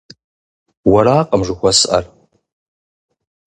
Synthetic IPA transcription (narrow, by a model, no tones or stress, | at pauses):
wɐɾaːqʼəmʐɨxʷɔsʔɐ̰r